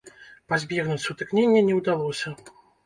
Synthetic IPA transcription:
pazʲbʲɛɣnut͡sʲsut̪ɨknʲenʲːɐnʲɛwd̪alˠɔsʲɐ

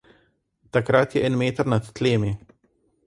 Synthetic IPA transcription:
t̪akɾat̪jɛʔɛːnmeːt̪aɾnat̪ːleːmi

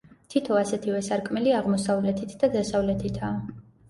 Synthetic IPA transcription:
t̪ʰit̪ʰɔasɛt̪ʰivɛsaɾkʼmɛliaʁmɔsavlɛt̪ʰit̪ʰd̪ad̪asavlɛt̪ʰit̪ʰaː

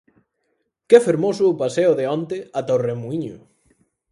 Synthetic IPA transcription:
kfeɾmosʊːpaseʊðeɔnt̪ɪat̪aoremuiɲʊ

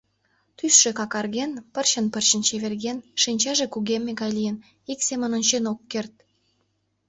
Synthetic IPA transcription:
t̪ysʃĕkɑkɑrɣenpərɕənpərɕə̆nt͡ɕeβerɣenʃinʲt͡ɕɑʒĕkuɣemːeɡɑjlʲijən | iksemə̆nonʲt͡ɕenokːert̪̚

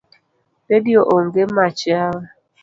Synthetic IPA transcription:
bedioʔoŋ̩ɡemat͡ʃɪawa

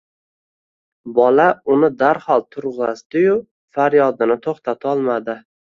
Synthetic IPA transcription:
bɒlaʊnɪd̪aɾhɒlˠt̪ʰʊɾʁɑsd̪ɪjʊ | faɾjɒd̪ɪnɪt̪ʰoχt̪ʰat̪ʰaɒlˠmad̪ɪ

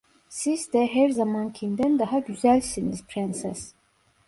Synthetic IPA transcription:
siz̥d̪ɛɦæɾzamancʰimd̪ænd̪aɦaɟyzælʲsiniz̥pʰɾɛnsɛs

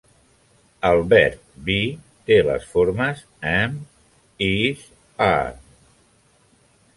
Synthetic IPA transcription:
alˠβɛɾt̪̚bi | t̪elə̰sfoɾməs | ɛm | is | a̰

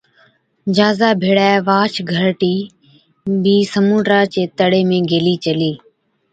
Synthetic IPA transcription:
d͡ʒaːzaːbʱeːɽaːʋaːt͡ʃʰɡʱəɾʈiː | biːsəmũːʈɾaːt͡ʃeːt̪əɽeːmẽːɡeːliːt͡ʃəliː

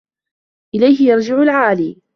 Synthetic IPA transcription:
ʔɪlajɦɪjɑɾˤd͡ʒɪʕʊlʕaːliː

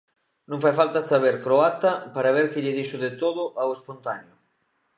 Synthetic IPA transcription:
nõŋfajfalt̪asaβ̞eɾkɾoat̪ɐpaɾaβ̞eɾkɪʎɪðiʃʊðet̪oðʊʔawespont̪anjʊ

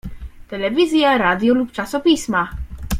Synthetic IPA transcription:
t̪ɛlɛvʲizʲjaɾad̪ʲjɔlupt͡ʂasɔpʲisma

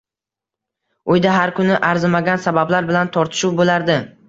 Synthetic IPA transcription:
ʊjd̪aɦaɾkʰʊnɪʔaɾzɪmaɡʲansabablaɾbɪlant̪ʰɒɾt̪ʰɪ̥ʃʊwbolaɾd̪ɪ

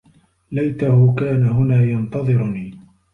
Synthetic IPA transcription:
lajt̪ahʊkaːnaɦʊnaːjɑnt̪ɑðˤɨɾʊniː

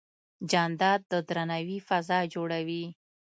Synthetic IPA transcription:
d͡ʒɑnd̪ɑd̪̚d̪ːəd̪ɾanawifazɑd͡ʒoɽawi

